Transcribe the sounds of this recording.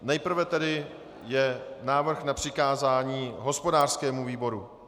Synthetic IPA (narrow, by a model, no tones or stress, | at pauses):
nɛjpr̩vɛt̪ɛdɪ | jɛnaːvr̩xnapr̝̥ɪkaːzaːɲiːɦo̞spo̞daːr̥skɛːmuviːbo̞ɾu